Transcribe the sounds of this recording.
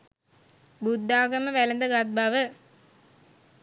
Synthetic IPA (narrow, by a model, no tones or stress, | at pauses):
bud̪ːaːɡɐməʋælɐnd̪əɡat̪̚baʋə